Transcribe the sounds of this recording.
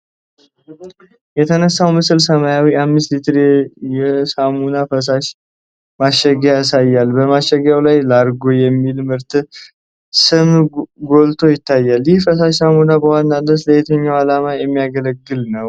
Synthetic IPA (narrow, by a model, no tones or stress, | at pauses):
jɛt̪ʰənəsːawmɨsɨlsəmajawiamːɨs̬t̪lit̪ʰɨɾjɛsamunafəs̬aʃ | maʃːɛɡjasajːalbəmaʃəɡjawlajlaɾɡo̞jɛmːilmɨɾt̪ʰɨ | sɨmɡo̞lt̪ʰo̞jɪt̪ːajːaljɪhfəs̬aʃsamunabəwanːad̪əsləjet̪ʰəɲːawalamajɛmːijaɡələɡːɨlnəw